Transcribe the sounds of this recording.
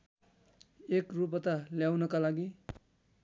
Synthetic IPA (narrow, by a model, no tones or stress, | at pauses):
ekrup̬ʌt̪ʌljawnʌkalaɡi